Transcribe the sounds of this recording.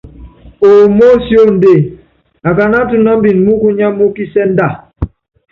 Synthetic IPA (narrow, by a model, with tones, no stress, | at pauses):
o˨mo˦sjo˦˨n̩˨de˦˨ | a˨ka˨na˦tu˨na˦m˦bi˨n˨mu˦ku˦ɲa˦mu˦ki˦sɛ˦n˦da˦˨